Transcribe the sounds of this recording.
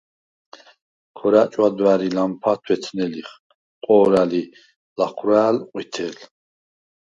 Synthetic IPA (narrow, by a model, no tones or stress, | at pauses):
kʰɔɾat͡ʃʼwad̪waɾilampʰat̪ʰwɛt̪ʰnɛliχ | qʼɔːɾali | laχɾaːlqʼwit̪ʰɛl